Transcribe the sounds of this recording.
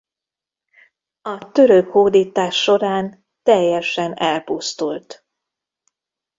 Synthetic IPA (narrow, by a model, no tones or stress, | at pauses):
ɒt̪øɾøkhoːd̪iːt̪aːʃːo̞ɾaːn | t̪ɛjːɛʃɛnɛlpust̪ult̪